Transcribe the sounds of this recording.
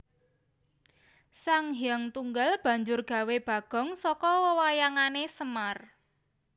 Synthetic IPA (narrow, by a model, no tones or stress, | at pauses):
saŋɦiaŋt̪uŋɡalb̥ä̤ɲd͡ʒʊrɡ̥a̤web̥ä̤ɡ̥ɔ̤ŋsɔkɔwəwajaŋanesəmar